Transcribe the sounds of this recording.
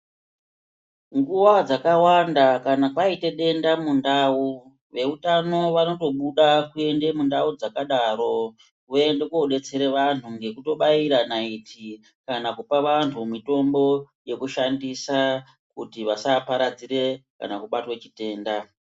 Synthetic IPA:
ŋɡuʋad͡zakawandakanakaite̞ɗe̞ndamundaːu | ʋe̞utano̞ʋano̞to̞ɓuɗakue̞nde̞mundaud͡zakaɗaːɾo̞ | kue̞ndekoɗe̞t͡se̞ɾeʋantʰuŋɡe̞kuto̞ɓaiɾanaitʰi | kanakupaʋantʰumito̞mbo̞ | je̞kuʃandisa | kutiʋasapaɾad͡ziɾe̞ka̰nakuɓatwe̞t͡ʃite̞ːnda

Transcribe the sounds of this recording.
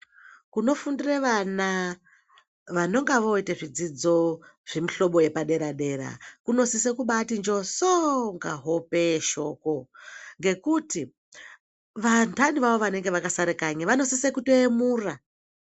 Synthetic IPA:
kuno̞fundireʋana | ʋano̞ŋɡaʋo̞itaʐid͡zid͡zo̞ʐ̥e̞miɬo̞ɓo̞je̞paɗe̞ɾaɗe̞ɾa̰kuno̞sisekuɓatind͡ʒo̞soŋɡaɦope̞ʃo̞ko̞ŋɡe̞kuti | ʋantʰaɗiʋaʋo̞ʋane̞ŋɡe̞ʋakasaɾekaɲaʋano̞sisekutoemuːra

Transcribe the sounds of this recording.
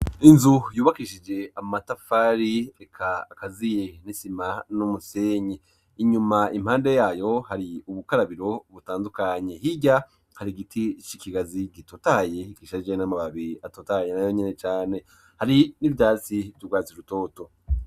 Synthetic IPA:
inzujuːβakiʃid͡ʒe̞amatafaɾiekʰaːkazije̞nisimanumuse̞ɲeː | ɲumaimhaːnde̞jaːjo̞haɾiuβukaɾaβiɾo̞βutaːndukaɲe̞hiɟa | haɾiɡitʰit͡ʃikiɡaziɡitotaje̞kiʃad͡ʒenamaβaβiɾiatotajenajo̞ɲene̞t͡ʃaːne̞ | haɾinivɟaːt͡situɡwaːt͡siɾuto̞ːto

